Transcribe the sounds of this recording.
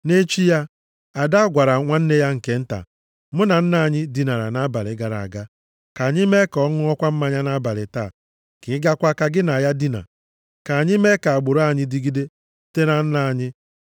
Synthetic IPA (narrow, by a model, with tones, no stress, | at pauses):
ne˦t͡ʃi˦ja˦ | a˨da˦ɡʷa˨ɾa˨ŋʷa˦n̩˦ne˦ja˦ŋ̩˨ke˨˦n̩˦ta̰˨ | mʊ˦na˨n̩˦na˨a˨ɲɪ˦di˨na˨ɾa̰˨na˦ba˨ɾɪ˨ɡa˨ɾa̰˨a̰˨ɡa˦ | ka˨ɲɪ˦me˦kɔ˦ŋʊ˦ɔ˦kʷa˦m̩˦ma˦ɲa˦na˦ba˨ɾɪ˨ta˦˨ | kɪ˨˦ɡa˦kʷa˦ka˦ɡɪ˦na˨a˨ja˦di˦na̰˨ | ka˨ɲɪ˦me˦ka˨a˨ɡ͡bʊ˨ɾa˦˨ɲɪ˦di˦ɡi˦de˦ | te˦na˨n̩˦na˨a˨ɲɪ˦